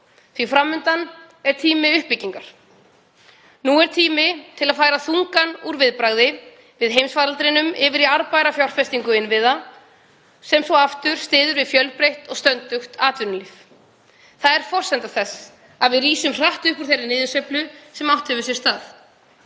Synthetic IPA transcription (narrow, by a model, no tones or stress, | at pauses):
θvifɾamːʏnt̪an | ɛɾ̥t̪ʰiːmɪʏhpːɪcːiŋkaɾ̥ | nuɛɾ̥t̪ʰiːmɪt̪ʰɪlaðfaːjɾaθuŋkanuɾvɪðpɾaɣðɪ | vɪðɦejmsvaːɾalt̪ɾɪnʏmɪvɪɾiaɾpajɾafjawr̥fɛst̪iŋkʏɪnvɪða | sɛmsɔɣaft̪ʏɾ̥st̪ɪːðʏɾvɪðfjœlpɾejht̪ɔɣst̪œnt̪ʏxt̪aːt̪vʏnʏliːf | θaðɛɾ̥fɔr̥sɛnt̪aθɛs | aðvɪðriːsʏmr̥aht̪ʏhpuɾ̥θejrːɪnɪːðʏsœplʏsɛmawht̪hɛvʏsjɛst̪aːθ